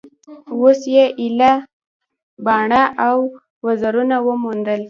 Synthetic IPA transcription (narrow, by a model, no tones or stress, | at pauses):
wosjeʔila | bɑɳaʔaw | wazaɾunawəmund̪əl